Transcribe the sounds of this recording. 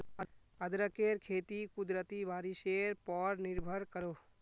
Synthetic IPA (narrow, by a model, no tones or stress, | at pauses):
əd̪ɾəkeɾkʰeːt̪ikud̪ɾət̪ibʱaːɾiseɾpɔːɾniɾbʱəɾkəɾoː